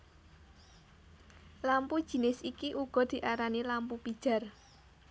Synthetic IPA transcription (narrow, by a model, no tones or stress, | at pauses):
lampud̥ʒ̥i̤nɪsikiʔuɡ̥ɔ̤d̪̥i̤ʔaɾanilampupid̥ʒ̥a̤r